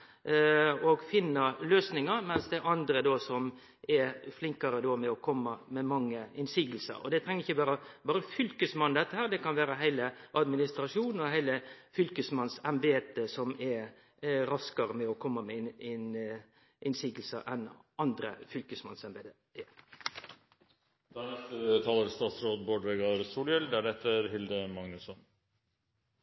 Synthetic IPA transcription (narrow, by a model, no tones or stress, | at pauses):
ɔɡfɪnːəɾløːsnɪŋəɾmɛnsd̪ɛæɾɑnd̪ɾəd̪oːsɔm | ʔɛɾflɪŋkɑɾəd̪oːmɛɔkʰɔmːəmɛmɑŋːəɪnsiːɡəl̩sə̰ɾɔ̰d̪ɛt̪ʰɾɛŋəɪçːəbɑːɾəbɑːɾəfʏlkəsmɑnd̪ɛt̪ːəhæːɾd̪ɛkɑnʋæːɾəɦæɪləʔɑd̪mɪnɪst̪ɾɑʂuːnn̩ɔɦæɪləfʏlkəsmɑnsɛmbeːt̪əsɔmɛɾ | ɾɑskɑɾəmɛɔkʰɔmːəmɛɪn | ʔɪnsiːɡəl̩sə̰ʔɛnɑnd̪ɾə̰fʏlkəsmɑnsɛmbeːt̪ə | d̪ænɛst̪ət̪ʰɑːləɾst̪ɑːt̪sɾoːd̪boːɖʋɛɡɑɾsuːljɛld̪æɖɛt̪ːəɾɦɪld̪əmɑŋnʉsɔn